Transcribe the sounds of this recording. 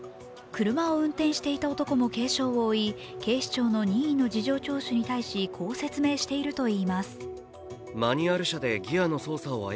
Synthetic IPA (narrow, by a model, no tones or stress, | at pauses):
kɯ̟ɾɯ̟maoɯ̟̃nt̪ẽ̞ɰ̃ɕi̥t̪e̞it̪ao̞t̪o̞ko̞mo̞ke̞ːɕo̞ːβoːi | ke̞ːɕi̥t͡ɕo̞ːno̞ɲ̟iĩnːo̞d͡ʑiʑo̞ːt͡ɕo̞ːɕɨɲ̟it̪aiɕikʰo̞ːse̞t͡sɨme̞ːɕi̥t̪e̞iɾɯ̟t̪o̞iːmasɨ̥ | maɲ̟iaɾɯ̟ɕad̪e̞ɡʲiano̞so̞ːsaoa̰